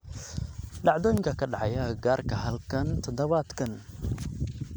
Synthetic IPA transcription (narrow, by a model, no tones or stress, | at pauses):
ɖɑʕd̪ɔːjŋkʰɐkʰɐɖɑʕjɐɡaːrkʰɐɦɐlkʰɐnt̪ʰɔd̪ɐβaːd̪kʰɐn